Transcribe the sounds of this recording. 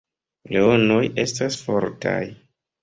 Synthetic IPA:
leono̞je̞stasfo̞ɾtʰa̰j

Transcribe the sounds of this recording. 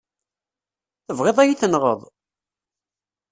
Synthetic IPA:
θəvʁeðˤæjiθənʁə̰ðˤ

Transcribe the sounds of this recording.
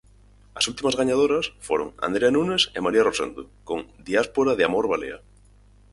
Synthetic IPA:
asult̪imazɣaɲað̞oɾasfoɾoŋa̰nd̪ɾeanunesemaɾiarosḛnd̪ukoŋd̪iaspoɾaðeamoɾβalḛa̰

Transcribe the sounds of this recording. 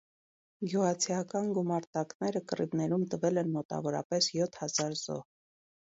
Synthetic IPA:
ɡjuʁɑt͡sʰiɑkɑnɡumɑɾt̪ɑknɛɾəkəribnɛɾumt̪əvɛlɛnmɔt̪ɑ̰vɔɾɑ̰pɛsjɔt̪ʰhɑz̥ɑɾz̥ɔ̰h

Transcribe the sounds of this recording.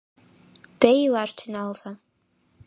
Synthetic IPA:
d̥ejlaʂtʰanalzʼa

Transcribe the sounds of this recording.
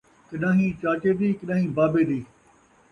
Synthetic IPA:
kɪɗãːɦĩːt͡ʃaːt͡ʃeːd̪iːkɪɗãːɦĩːbaːbeːd̪iː

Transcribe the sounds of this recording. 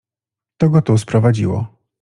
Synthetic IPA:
t̪ɔɡɔt̪uspɾɔvad͡ʑiwɔ̰

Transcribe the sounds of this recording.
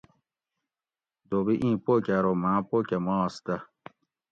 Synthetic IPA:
d̪obiʔĩːpokʲaɾomãːpokʲamɑːst̪ɐ

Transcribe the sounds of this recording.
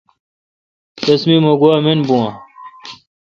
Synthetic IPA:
t̪ɐsmimoɡuaminbũã

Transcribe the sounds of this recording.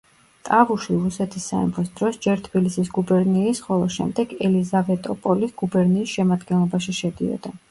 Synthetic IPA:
t̪ʼavuʃiɾusɛt̪ʰisːa̰ɛ̰mχisd̪ɾɔsd͡ʒɛɾt̪ʰbilisisɡubɛɾniːsχɔlˠɔʃɛ̰md̪ɛɡɛlizavɛt̪ʼɔpʼɔlisɡ̥ubɛɾniːsʃɛmad̪ɡɛnlˠɔbaʃiʃɛd̪iɔ̰d̪a

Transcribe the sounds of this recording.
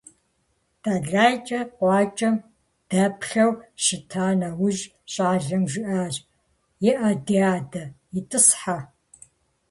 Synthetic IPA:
d̥aɮaːjt͡ʃʼɐqʷɑːt͡ʃʼɐm | d̥ɐpʰɬɐwʃɪtʰaːnɐwʊʒ | ɕʼaːɮɐmʒɪʔaːʒ | jɪʔɐdiaːdɐjɪtʼɨsħa

